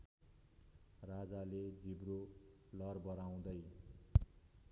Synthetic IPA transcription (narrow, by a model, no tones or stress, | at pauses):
rad͡zaled͡zibɾolʌrbʌɾaw̃d̪ʌj